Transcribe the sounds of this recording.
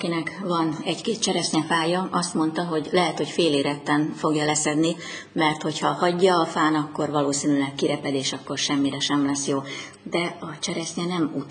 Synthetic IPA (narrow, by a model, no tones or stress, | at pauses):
kinɛkvɒnɛckeːt̪̚t͡ʃɛɾɛsɲɛfaːjɒɒst̪mo̞nt̪ɒɦo̞ɟlɛɦɛt̪ho̞cfeːleːɾɛt̪ːɛnfo̞ɡjɒlɛsɛd̪ni | mɛrt̪ho̞chɒhɒɟːɒːfaːnɒkːo̞rvɒloːsinylɛkːiɾɛpɛd̪eːʃɒkːo̞rʃɛmːiɾɛʃɛmlɛsjoː | d̪ɛɒt͡ʃɛɾɛsɲɛnɛmu